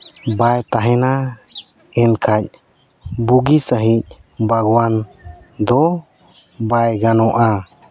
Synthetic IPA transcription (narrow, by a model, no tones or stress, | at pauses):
bajt̪aɦɛ̃na | ɛnkʰac̚ˀ | buɡisəɦic̚bʱaɡwand̪ɔ | bajɡanɔ̃ʔa